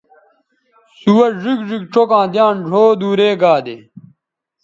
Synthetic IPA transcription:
suwɐʐikʐik̚ʈ͡ʂʰokãːd̪jãːnɖʱoːd̪uːɾeːɡaːd̪ḛ

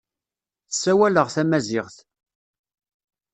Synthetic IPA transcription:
θəsːæwæləʁθæmæzɪʁθ

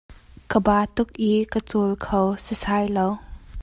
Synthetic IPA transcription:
kəbaːt̪ʊk̚ʔikət͡suːlkʰowsisaːjlow

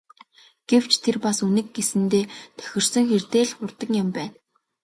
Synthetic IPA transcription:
ɡ̥ew̥t͡ɕʰt̪ʰerpasunɘ̆kɡesɘ̆nt̪eːt̪ʰœ̥xʲɪ̆r̥sə̆ŋxert̪eːɮχʊrt̪ə̆ŋjʊ̆mpæːn

